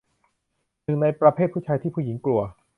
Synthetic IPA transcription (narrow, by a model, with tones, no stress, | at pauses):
nɯ˨˩ŋna˧jpɾa˧pʰeː˥˩t̪̚pʰu˥˩t͡ɕʰaː˧jt̪ʰiː˥˩pʰuː˥˩ji˩˦ŋklu˧ɐ